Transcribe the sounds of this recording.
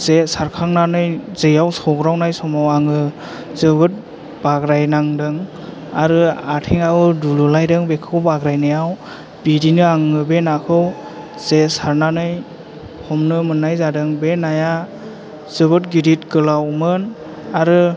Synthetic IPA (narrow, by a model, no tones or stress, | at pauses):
zesaɾkʰaŋnanɯjzɯjawsɔɡɾawnajsɔmawaŋɯ | zɯbɯt̚ | baɡɾajnaŋdɯŋ | aɾɯatʰiŋawɯdululajdɯŋbekʰɯwbaɡɾajnɯjaw | bidinɯaŋɯbenakʰɯw | z̥esaɾnanɯj | hɔmnɯmɯnːajzadɯŋbenaja | z̥ɯbɯtɡiɾitɡɯlawmɯn | aɾɯ